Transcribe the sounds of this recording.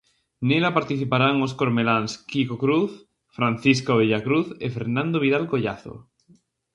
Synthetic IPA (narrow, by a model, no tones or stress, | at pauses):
nelapaɾt̪iθipaɾaŋoskoɾmelanskikokɾuθ | fɾãn̟θiskoβ̞eʎakɾuθḛfeɾnãnd̪oβ̞iðalkoʎa̰θo̰